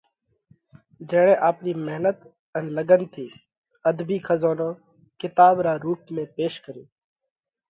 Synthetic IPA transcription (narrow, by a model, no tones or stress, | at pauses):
d͡ʒəːɽẽːʔaːpniːmeɦnət̪ | ənləɡənt̪ʰiː | əd̪biːkʰəzoːnõː | kɪt̪aːbɾaːɾuːp̚mẽːpeːʃkəɾḭː